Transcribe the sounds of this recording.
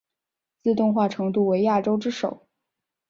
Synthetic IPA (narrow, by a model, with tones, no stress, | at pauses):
t͡sɹ̩˥˧t̪ʊ˥˧ŋxwa˥˩ʈ͡ʂʰɤ˧˥ŋt̪u˥˩we˧˥ɪja˥˩ʈ͡ʂo˥ʊʈ͡ʂɻ̩˥ʂo˨˩˦ʊ